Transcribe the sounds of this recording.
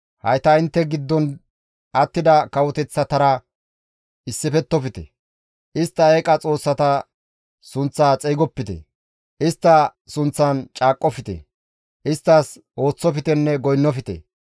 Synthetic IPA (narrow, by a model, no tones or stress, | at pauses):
hɐ̰jt̪ɐɪnt̪ːɛɡɪd̪ːɔn | ɐt̪ːɪd̪ɐkɐwɔt̪ɛt͡sːɐt̪ɐɾɐ | ɪsːɪpɛt̪ːɔfɪt̪ɛ̰ | ʔɪst̪ːɐeːkʼɐt͡sʼo̞ːsːɐt̪ɐ | sʊnt͡sːaːt͡sʼɛjɡɔpːɪt̪ɛ̰ | ʔɪst̪ːɐsʊnt͡sːɐnt͡ʃʼaːkʼːɔfɪt̪ɛ̰ | ʔɪst̪ːɐs | ʔo̞ːt͡sːɔfɪt̪ɛnːɛɡɔjnːɔfɪt̪ɛ̰